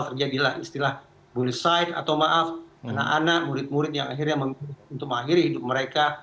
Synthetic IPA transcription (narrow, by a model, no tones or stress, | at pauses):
t̪ərd͡ʒadilahist̪ilah | bulɪsaifa̰t̪awmaʔafana̰kanak̚muɾɪt̪̚muɾɪt̪̬̚jaŋaɦirɲaməmiunt̪ʊk̚məŋaɦiɾihidʊp̚məɾeka